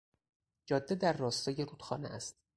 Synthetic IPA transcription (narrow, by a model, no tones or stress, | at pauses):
d͡ʒɒːd̪ːed̪æɾːɒːst̪ɒːje̞ɾuːd̪xɒ̰ːnḛʔæst̪